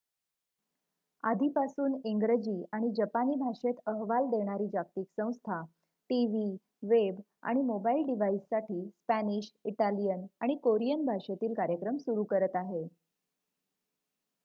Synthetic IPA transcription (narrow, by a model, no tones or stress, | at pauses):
a̰d̪ʱiːpasuːniŋɡɾəd͡ʑiːaɽ̃id͡ʑəpaniːbʱaʂet̪əɦʋald̪eɽ̃aɾiːd͡ʑak̚t̪iːksə̃w̃st̪ʰa | ʈiʋi | ʋeb | a̰ɽ̃imobailɖiʋaisːaʈʰiːspæniɕiʈalijənaɽ̃ikoɾijənbʱaʂet̪iːlkaɾjəkɾəmsuɾuːkəɾət̪aɦe